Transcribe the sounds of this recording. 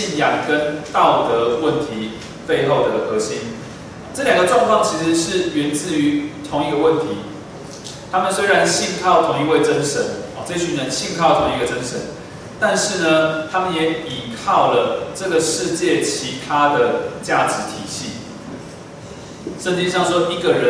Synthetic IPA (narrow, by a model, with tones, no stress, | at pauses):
i˥˩njɑ˨˩ŋkə˦˥nt̪ɑ˥˨˩ʊt̪ə˧˦wə˥˩nt̪ʰi˨˦ | pe˥˧ɪxo˥˩ʊd̪ə˨˩ɡə˩xɤ˧˥ɕi˦˥n˩ | ʈ͡ʂɤ˥˩ljɑ˨˩ŋɡə˩˧ʈ͡ʂwɑ˥˧ŋkʰwɑ˥˩ŋt͡ɕʰi˧˥ʂɻ̩˧˦ʂɻ̩˥˨ɥɛ˧˥nt͡sɹ̩˥˩y˧˥t̪ʰʊ˧˦ŋi˧˥˧ɡə˨˧wə˥˨nt̪ʰi˨˦ | t̪ʰa˥mə˨nswe˥ɪɻa˧˦nɕi˥˧nkʰɑ˥˩ʊt̪ʰʊ˧˥ŋi˧we˥˩ɪʈ͡ʂə˦˥nʂə˧˦nɔ̰˨˩ʈ͡ʂɤ˥˧t͡ɕʰy˥˩nə˧˦nɕi˥˧ŋkʰɑ˥˩ʊt̪ʰʊ˧˥˦ŋi˧˩ɡə˩ʈ͡ʂə˦nʂə˧˦n | t̪a˥˧nʂɻ̩˥˩nə˩t̪ʰa˥mə˨njɛ˨˧˥i˨˩kʰɑ˥˩ʊlə˩ʈ͡ʂɤ˥˨˩ɡə˩ʂɻ̩˥˧t͡ɕjɛ˥˩t͡ɕʰi˧˥t̪ʰa˥d̪ə˨t͡ɕja˥˩ʈ͡ʂɻ̩˧˦t̪ʰi˨˩ɕi˥˩ | ʂə˥˧nt͡ɕi˥ŋɕjɑ˥˩ŋʂwɔ˥ʔi˧˥ɡə˨ɻə˧˦